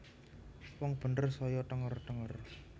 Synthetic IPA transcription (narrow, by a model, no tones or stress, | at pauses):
wɔŋb̥ə̤nərsɔjɔt̪əŋərt̪əŋər